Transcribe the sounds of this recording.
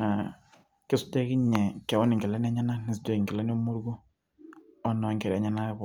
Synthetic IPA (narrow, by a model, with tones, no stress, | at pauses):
a˨ | kɪ˦su˦dɛ˦kɪ˦ɲɛ˨kɛ˨wɔ˦nɪ˨ŋɡɛ˨lɛ˦n˦a˦ɲa˦na˦nɪ˨s̬dɛ˦kɪ˨ŋɡɛ˨lɛ˦n˦mo˦ɾɡo˦ | ɔ˦nɔ˨˦ŋkɛ˨ɾɛ˨˦ɲa˦na˦bɔ˨